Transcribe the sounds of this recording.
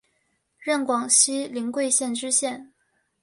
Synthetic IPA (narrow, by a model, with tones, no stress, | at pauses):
ɻə˥˩nkwɑ˨˩ŋɕi˥li˧˥ŋkwe˥˧ɪɕjɛ˥˩nʈ͡ʂɻ̩˥ɕjɛ˥˩n